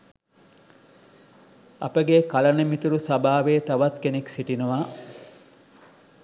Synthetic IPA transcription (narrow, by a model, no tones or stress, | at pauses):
ɐ̰pəɡekɐlɐnemit̪uɾusɐbaːʋeːt̪ɐʋɐt̪keneksiʈinuʋaː